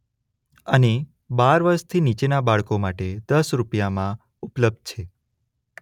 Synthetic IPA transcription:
əne | baɾʋəɾʃt̪ʰinit͡ʃenabaɭkomaʈed̪əsɾupjamã | upləb̚d̪̚t͡ʃʰe

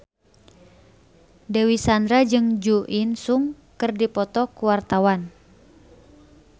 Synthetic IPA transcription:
dewisandɾad͡ʒɨŋd͡ʒuʔinsuŋ | kɨrdipɔt̪ɔkuwart̪awan

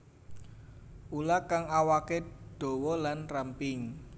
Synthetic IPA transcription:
ʔulakaŋawakeɖ̥o̤wɔlanrampɪŋ

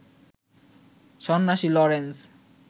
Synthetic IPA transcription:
ʃɔnːaʃilɔɾens

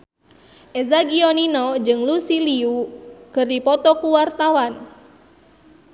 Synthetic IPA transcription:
ʔɛzaɡiɔninɔd͡ʒɨŋlusiliukɨrdipɔt̪ɔkuwart̪awan

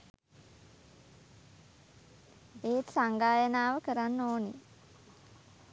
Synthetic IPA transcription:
eːt̪saŋɡaːjənaːʋəkəɾanːoːne

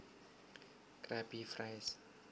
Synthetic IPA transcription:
kraɔjpiːfrajs

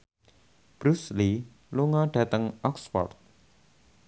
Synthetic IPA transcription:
b̥ɾusli | luŋɔɖ̥ä̤t̪əŋɔksfɔ̰rt̪̚

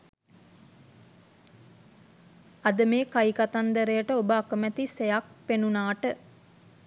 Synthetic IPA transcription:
ɐd̪əmeːkajkat̪and̪əɾejəʈəobəakəmɛt̪isejak̚penunaːʈə

